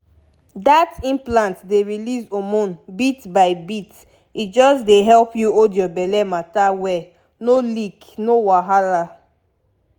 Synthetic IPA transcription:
datĩmplãntdeɹilizomɔ̃nbitbaɪbit | it̚d͡ʒɔsdeɦɛlpjuodiɔbɛlɛmatawɛ | nolik | nowaɦaɾa

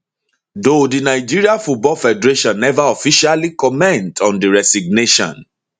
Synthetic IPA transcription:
dodinaɪd͡ʒiɹiafut̚bɔlfɛdɛɹeʃɔ̃nːɛvaɔfiʃalikɔmɛ̃ntʰɔ̃ndiɹɛsiɡ̚neʃɔ̰̃n

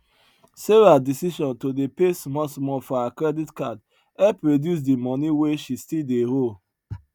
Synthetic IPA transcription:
seɹadisiʃɔ̃ntodepesmɔsmɔfɔakɹɛditkad | ɛpɹodjus̬dimɔniweʃistildeɾol

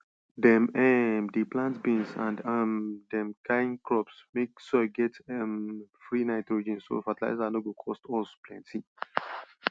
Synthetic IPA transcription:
dɛ̃mɛmdiplãntbĩnsã̰ndamdɛ̃mkaĩnkɹɔpsmeksoaɡɛtɛmfɹinaɪtɹod͡ʒĩnso̰fatila̰ɪsanoɡokʰɔstɔsplɛ̃ntʰĩ

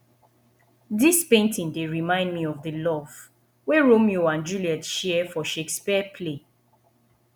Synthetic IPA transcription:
dispẽntĩndeɹimãɪ̃ndmiɔvðəlɔv | weɹomioãnd͡ʒuliɛtʃɛfɔʃekspipʰle

